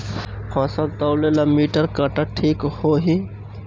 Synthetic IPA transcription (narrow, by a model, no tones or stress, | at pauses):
kʰãːsɐlt̪ɐwlelamiːʈəɾkɐʈaʈʰiːkhoːɦi